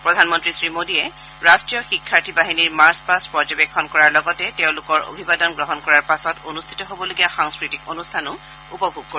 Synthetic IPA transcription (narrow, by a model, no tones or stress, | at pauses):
pɹɔdʱanmɔntɹisɹimodiɛ | ɹastɹijɔxikʰːaɹtʰibaɦiniɹmaɹspaspɔd͡ʒɔbekʰːɔnkɔɹaɹlɔɡɔtɛteʊ̃lʊkɔɹo̰bʱibadɔnɡɹɔɦɔnkɔɹaɹpasɔtonustʰi̥tɔɦobɔloɡijaxaŋskɹitikonustʰanʊ | upɔbʱuɡ̚koi